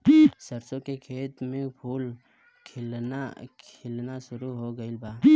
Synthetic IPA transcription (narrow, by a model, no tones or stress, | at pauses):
səɾsõkekʰeːt̪mẽpʰuːl | kʰɪlnakʰɪlnaʃʊɾuɦoɡəɪlbaː